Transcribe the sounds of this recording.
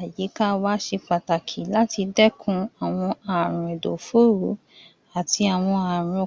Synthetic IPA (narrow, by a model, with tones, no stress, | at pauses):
a˨ji˨˦ka˦wa˦ʃe˧k͡pa˨ta˨kʰi˨la˦ti˧dɛ˦kʰũ˦a˨w̃ɔ̃˧a˨ɾ̃ũ˨e˨do˨fu˦ɾu˨˦ | a˨ti˧a˨w̃ɔ̃˧a˨ɾ̃ũ˨˧˨